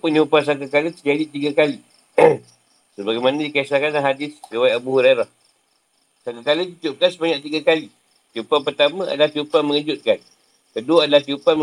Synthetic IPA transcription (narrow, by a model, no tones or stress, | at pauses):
puniupans̬akakalət̪ərd͡ʒadit̪iɡakali | səbaɡajmanədikaisakanlaɦadɪsriwajʔabuhuɾaɾah | sakakalət̪it̪up̚kansəbaɲaʔt̪iɡakali | t̪iupanpərt̪amə̃a̰dalaht̪iupaməŋəd͡ʒʊt̪̚kan | kəduwadalaht̪iupam